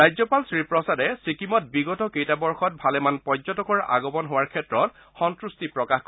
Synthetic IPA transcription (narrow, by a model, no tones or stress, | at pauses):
ɹajzɔpalsɹipɹɔsadɛsikimɔt̚biɡɔtɔkejtabɔɹxɔt̚bʱalɛmanpɔzɔtɔkɔɹa̰ɡɔbɔnɦowaɹkʰɛtɹɔt | xɔntɹustipɹɔkaxk